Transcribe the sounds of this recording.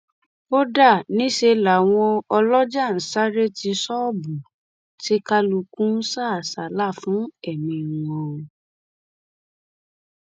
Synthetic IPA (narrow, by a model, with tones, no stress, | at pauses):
o˦da˦˨nĩ˨˦ʃe˧la˨w̃ɔ̃˧ɔ˧lɔ˦d͡ʒa˦˨n̩˨sa˦ɾe˦ti˧sɔ˦bu˨ | ti˦ka˦lu˧kũ˦sa˦˨sa˨la˦˨fũ˨˦ɛ˦˨mĩ˧˨ũ˨ɔ̃˧o˧